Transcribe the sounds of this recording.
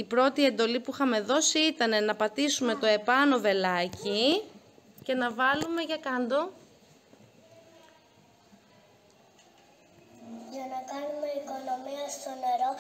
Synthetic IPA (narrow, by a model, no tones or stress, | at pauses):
ipɾo̞t̪ie̞nd̪o̞lipuxɐme̞ðo̞siit̪ɐne̞nɐpɐt̪isume̞t̪o̞e̞pɐno̞ve̞lɐci | ce̞nɐvɐlume̞ʝɐkɐnd̪o̞ | ʝɐnɐkɐnume̞iko̞no̞miɐst̪o̞ne̞ɾo̞